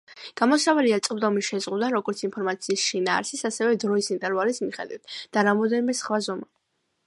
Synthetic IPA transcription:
ɡ̥amɔsavaliat̪sʼbd̪ɔmiʃɛzʁud̪aɾɔɡɔɾt̪sʰinpʰɔɾmat̪sʰiːsʃinaːɾsisasɛvɛd̪ɾɔisint̪ʼɛɾvalismiχɛ̰d̪wit̪ʰd̪̥aɾamɔd̪ɛnimɛsχwazɔma

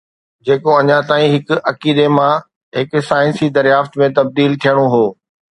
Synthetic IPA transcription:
d͡ʑeːkoɐɲãt̪aːĩɦɪkʊɐkiːd̪emã | ɦɪksaːɪ̃nsid̪ɐɾjaːft̪mẽt̪ɐb̚d̪iːlt̪ʰijəɽ̃oɦoː

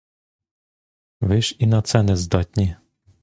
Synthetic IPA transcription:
ʋɪʃinɔt̪sɛnɛzd̪ɔt̪ʲnʲi

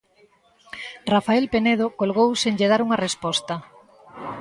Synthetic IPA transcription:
rafaelpeneð̞okolɣowseɲʎeðaɾuŋɐrespɔst̪ɐ

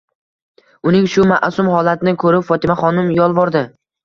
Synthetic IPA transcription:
ʊnɪŋʃʊma̰ʔsʊmhɒlat̪ʰɪnɪkʰɵɾɪpfɒt̪ʰɪmaχɒnɪmjɒlˠvɒɾd̪ɪ

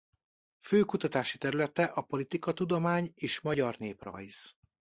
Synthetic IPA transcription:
føːkut̪ɒt̪aːʃit̪ɛɾylɛt̪ɛʔɒpo̞lit̪ikɒt̪ud̪o̞maːɲeːʃmɒɟɒrneːprɒ̰jz̥

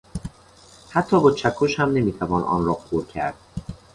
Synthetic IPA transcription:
hæt̪ʰːɒːbɒːt͡ʃʰækʰːoʃhæmne̞miːt̪ʰævɒːnʔɒ̰ːnɾɒːpʰoɾcʰæ̰ɾd̪̥̚

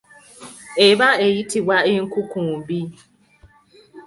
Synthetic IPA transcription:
ebaejitiwaeŋ̩kukũm̩bi

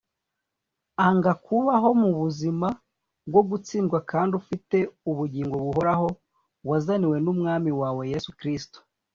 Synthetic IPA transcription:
aŋɡakuβaɦo̞muβuzima | bɡo̞ɡut͡siːnɡwakaːndufite̞uβuɟiːŋɡo̞βuɦo̞ɾaɦo̞ | wazaniwe̞numŋaːmiwaːwe̞je̞sukɾisto̥

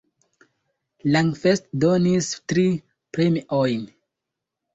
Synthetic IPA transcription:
laŋfestdonistɾi | pɾemiʔojn

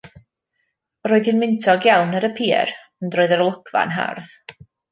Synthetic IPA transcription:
roːɨðhɨnmɪntʰɔɡjawnəɾəpʰḭːr | əndroːɨðəɾlˠʊkʰva̰nɦa̰rð

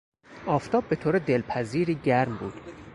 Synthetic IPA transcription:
ʔɒːft̪ʰɒːb̚ːe̞t̪ʰoːɾed̪e̞lpʰæziːɾiːɟæɾmbuːd̪̥

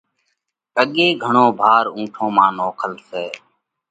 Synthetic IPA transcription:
əɠeːɡʱəɳõːbʱaːɾũːʈʰõːmãːnoːkʰəlseː

